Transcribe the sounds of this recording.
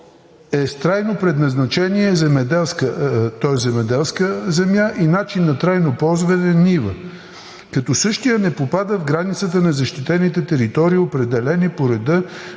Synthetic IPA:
ɛst̪ɾajnopɾɛd̪nɐznɐt͡ʃɛniɛzɛmɛd̪ɛlˠskət̪ɔɛszɛmɛd̪ɛlˠskəzɛmjaʔinat͡ʃinːɐt̪ɾajnopɔlˠzvɐnɛnivə | kɐt̪ɔsɤʃt̪ijənɛpopad̪əvɡɾanit̪sət̪ənɐzɐʃt̪it̪ɛnit̪ɛt̪ɛɾit̪ɔɾiːopɾɛd̪ɛlɛnipoɾɛd̪ɤ

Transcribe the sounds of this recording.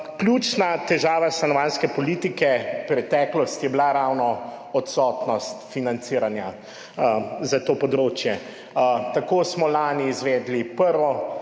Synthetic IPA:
klʲjuːt͡ʃnat̪ɛʒaːʋasanɔʋanskɛpɔliːt̪ikɛpɾɛt̪ɛklɔst̪jɛblaɾawnɔɔt̪sɔt̪nɔst̪finant̪siɾanja | zat̪oːpɔd̪ɾoːt͡ʃjɛ | t̪akoːsmɔlaːniːzʋɛːd̪lipəɾʋɔ

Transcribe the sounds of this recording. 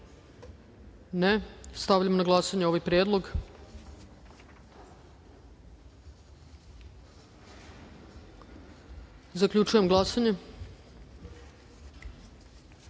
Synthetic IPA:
nest̪aʋʎamonaɡlˠasaɲeo̞ʋajpɾjed̪lˠo̞ɡ | zakʎʲut͡ʃuje̞mɡlˠasaɲe

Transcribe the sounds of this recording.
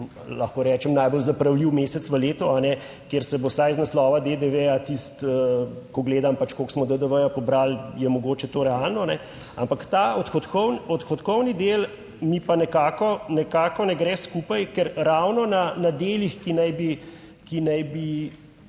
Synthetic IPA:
laxkɔɾɛːt͡ʃɛmnajbɔlzapɾawliwmeːsɛt̪sʋəleːt̪ɔanɛ | keɾsɛbosajznaslɔːʋad̪ed̪eʋejat̪ist̪əkɔɡleːd̪ampat͡ʃkoksmɔd̪əd̪əʋəjapɔbɾaljɛmɔɡoːt͡ʃɛt̪oːɾɛalnɔnɛ | a̰mpakt̪aːɔt̪xɔt̪kɔwnɔt̪xɔt̪kɔwnid̪el | mipanɛkaːkɔnɛkaːkɔnɛɡɾɛːskuːpajkɛɾɾawnɔnanad̪eːlixkinajbi | kinajbi

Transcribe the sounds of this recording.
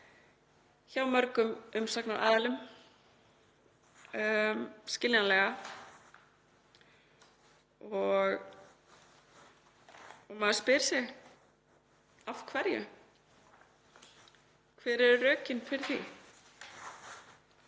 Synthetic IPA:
çawmœɾkʏmʏmsaknaʔa̰ːðalʏm | skcɪljanlɛɣa | ɔɣ | ɔɣmaːðspɪɾ̥sɪɣ | afkʰvɛɾjʏ̰ | kʰvɛːɾɛɾʏrœːcɪnfɪɾɪθi

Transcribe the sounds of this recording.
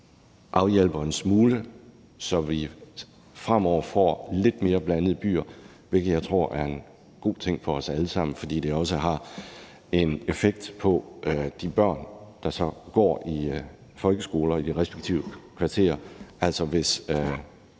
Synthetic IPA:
ʔɑ̈ʊjel̰b̥ɐensmuːlə | sɒ̽ʋi | fʁam̰ɒʊ̰ɐfɒ̰ːle̝d̥me̝ːɐb̥lænəð̩ˠəb̥y̰ːɐ | ʋe̝lɡ̥ð̩jaɪt͡sʰʁo̝ɐ̰ʔæɐe̝n | ɡ̥o̝̰ːt͡sʰeŋ̰fɒ̽ɒ̽sæləsɑ̈m̰n̩fɒ̽d̥ḭːd̥e̝ɒ̽s̬əɦɑ̈ | e̝nefeɡ̥̚d̥pʰɒ̽ʔd̥ib̥ɶɐ̰nd̥ɑ̈sɒ̽ɡ̥ɒ̰ːi | fɒ̽lɡ̥əsɡ̥o̝ːlɐid̥iʁɛsb̥eɡ̥t͡sʰḭʊəkʰʋɑ̈t͡sʰe̝̰ːɐʔæl̰sɒʋe̝s

